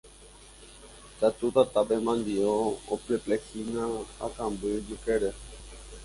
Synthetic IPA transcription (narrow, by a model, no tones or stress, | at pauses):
t͡ʃat̪ut̪at̪apemãnd̪ioopleplehinãa̰kãmbɨd͡ʒukeɾe